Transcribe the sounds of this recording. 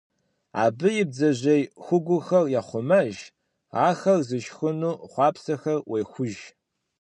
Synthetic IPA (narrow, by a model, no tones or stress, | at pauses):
a̰ːbɨjɪb̚d͡zɐʑejxʷʊɡʷʊxɐrjaːχʷʊmɐʒ | aːxɐrzɨʃxɨnuːχʷɑːpsɐxɐrwʔejxʷʊʒ